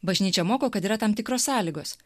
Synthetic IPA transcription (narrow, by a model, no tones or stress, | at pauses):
bɐʒʲnʲiːt͡ʃʲɛmoːkoːkɐt̪iːɾɐt̪ɑmt̪ʲɪkɾoːssɑːlʲiːɡoːs